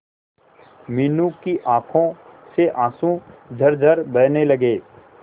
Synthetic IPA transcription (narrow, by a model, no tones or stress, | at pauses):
mɪnũkiʔãːkʰõseʔãːsũd͡ʒʱɐɾd͡ʒʱɐɾbɐːnelɐɡeː